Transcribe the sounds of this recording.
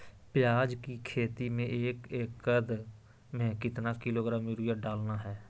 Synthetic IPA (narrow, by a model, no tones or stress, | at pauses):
pɪjaːd͡ʒkiːkʰeːt̪iːmẽːeːkeːkːəd̪ | mẽːkɪt̪naːkɪloːɡɾaːmjʊɾɪjaːɖaːlnaːɦɛː